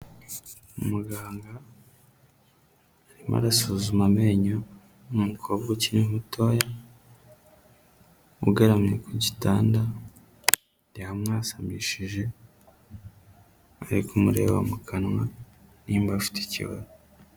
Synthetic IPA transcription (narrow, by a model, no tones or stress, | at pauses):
umuɡaːŋɡa | ɾima̰ɾasuzumameɲo | umukʰoβɡuciniɦutʰoja | uɡeɾamɲekʰuɟitaːnda | dehamŋaːsamiʃiʒe̞ | aɾikumuɾḛwa̰mukanŋa | niːmbafi̥te̥cḭβa̰z